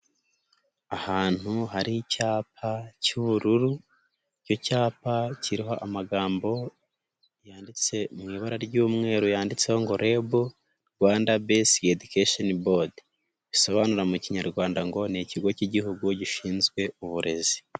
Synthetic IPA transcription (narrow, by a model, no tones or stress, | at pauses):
ahaːn̥huɦaɾicaːpʰacuβuɾuɾu | co̞caːpaciɾiɦo̞ʔamaɡaːmbo̞ | jaːndit͡se̞mŋiːβaɾaɾɟuːmŋe̞ːɾujaːndit͡se̞ho̞ŋɡo̞ɾe̞bo | ɾɡwaːndabesedukeʃonbod | ɟiso̞βanuɾamuciɲaɾɡwaːndaŋɡo̞niciɡo̞ciɟiɦuɡuɟiʃiːnzɡwe̞uβuɾe̞zi̥